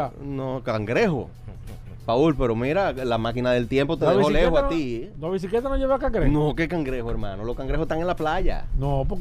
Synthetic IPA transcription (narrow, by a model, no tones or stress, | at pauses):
nokaŋɡɾeɦo̰ | paulpe̞ɾo̞miɾalamakinaðe̞lt̪jempot̪eðeolehoat̪inaβis̬iklet̪anoʝeβeakaŋɡɾenõke̞kaŋɡɾehoeɾmã̰noloskaŋɡɾehoset̪aŋenlaplaʝa̰nopo